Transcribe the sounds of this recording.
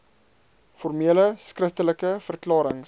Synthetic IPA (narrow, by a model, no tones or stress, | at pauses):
fɔrmiələskrəftələkəfərklɑːɾəŋ